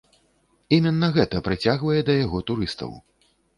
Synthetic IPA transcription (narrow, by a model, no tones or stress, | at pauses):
imʲɛnːɐɣɛt̪ɐpɾɨt͡sʲaɣvɐjɛd̪ɐjaɣɔt̪uɾɨst̪ɐ̰w